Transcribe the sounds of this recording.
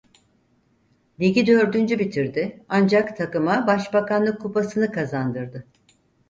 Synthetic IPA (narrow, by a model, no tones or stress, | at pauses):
d̪iɟʲid̪ø̞ɾd̪ynd͡ʒybit̪ʰiɾd̪ɪand͡ʒakt̪ʰakɯmabaʃbakanlˠɯkʰːupasɯnɯkʰazand̪ɯɾd̪ɯ